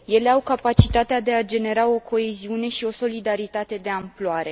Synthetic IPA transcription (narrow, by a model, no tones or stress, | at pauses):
je̞le̞awkapat͡ʃit̪at̪ead̪e̞ad͡ʒe̞ne̞ɾao̞kʰo̞eziune̞ʃio̞so̞lid̪aɾit̪at̪e̞d̪e̞amploaɾe̞